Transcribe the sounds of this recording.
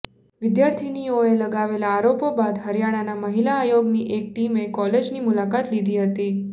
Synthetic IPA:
ʋɪd̪jaɾt̪ʰinioeləɡaʋelaːɾopobad̪ɦəɾjaɽ̃anaməɦilaːjoɡniʔek̚ʈimekɔled͡ʒnimulakat̪lid̪ʱiɦət̪i

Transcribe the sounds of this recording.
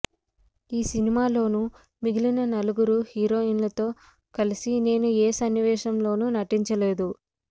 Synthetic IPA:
iːsinimaːlo̞ːnu | miɡilinɐnɐluɡuɾuhiːɾo̞ːinlɐt̪o̞ː | kɐlisine̞ːnueːsɐnːiʋɛːʃɐmlo̞ːnunɐʈiɲt͡ʃɐle̞ːd̪u

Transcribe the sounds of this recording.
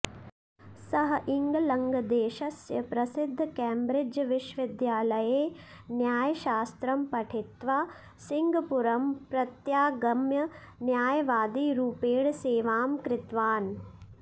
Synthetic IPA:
sɐɦɐʔiŋɡɐlɐŋɡɐd̪eːʃɐsjɐpɾɐsɪd̪ʱːkɛːmbɾɪd͡ʒɐʋɪʃʋɪd̪jaːlɐjeː | njaːjɐʃaːst̪ɾɐmpɐʈʰit̪ʋaː | siŋɡʱɐpuɾɐmpɾɐt̪jaːɡɐmjɐ | njaːjɐʋaːd̪iːɾuːpeːɳseːʋaːmkɾɪt̪ʋaːn

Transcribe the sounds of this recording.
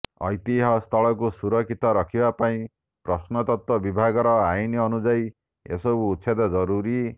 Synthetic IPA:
ɔ̰jt̪iɦɔst̪ʰɔɭɔk̬usuɾɔkʰit̪ɔɾɔkʰibapaĩ | pɾɔsnɔt̪ɔt̪wɔbibʱaɡɔɾɔajniɔnud͡ʒaj | ḛsɔkuːt̪ːsʰed̪ɔd͡ʒɔɾuɾi

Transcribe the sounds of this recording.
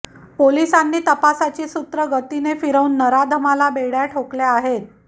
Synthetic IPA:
polisanːiːt̪əpasat͡ɕiːsut̪ɾəɡət̪inefiɾəunːəɾad̪ʱəmalabeɽjaʈʰokleaɦet̪̚

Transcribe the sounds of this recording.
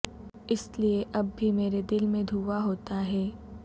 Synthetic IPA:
ɪslieʔɐbːʱimeːɾed̪ɪlmẽd̪ʱuːʋaɦoːt̪aɦɛː

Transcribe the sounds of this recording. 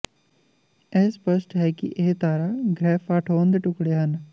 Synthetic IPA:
ɛːspəsʈɦɛːkɪ̰ʔeɦt̪aːɾaːɡɾɛːfʰaːʈʰoːnd̪eːʈʊkɽeːɦən

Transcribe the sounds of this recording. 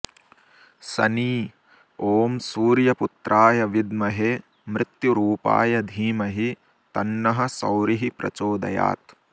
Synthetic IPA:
sɐniː | oːmsuːɾjɐput̪ɾʔaːjɐʋid̪mɐɦe | mɾɪt̪juɾuːpa̰ːjɐd̪ʱiːmɐɦi | t̪ɐnːɐɦɐ̆sɐ̰wɾiɦipɾɐ̰t͡ʃoːd̪ɐ̰ja̰ːt̪

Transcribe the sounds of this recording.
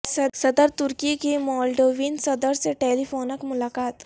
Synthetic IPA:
sɐd̪əɾt̪ʊɾkikimɔːlɖoːʋiːnsɐd̪əɾseʈeːlifʰoːnəkmʊlaːkaːt̪

